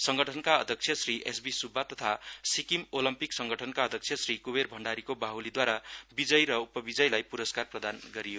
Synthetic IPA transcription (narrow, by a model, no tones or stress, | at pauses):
sʌŋɡʌʈʰʌnkaʌd̪ʱjʌk̚t͡sʰjʌsriʔḛsbisubʱːat̪ʌt̪ʰasikimolʌmpiksʌŋɡʌʈʰʌnkaʌd̪ʱjʌk̚t͡sʰjʌsrikuberbʱʌɳɖaɾikobaɦulid̪waɾabid͡zʌjɾʌupʌbid͡zʌjlajpuɾʌskarprʌd̪anɡʌɾijo